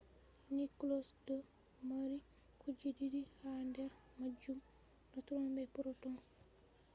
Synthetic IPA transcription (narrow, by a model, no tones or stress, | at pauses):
niklɔsdɔ | maɾi | kʰud͡ʒididihandɛɾ | mad͡ʒum | nɔtuɾɔnbɛpuɾɔtɔn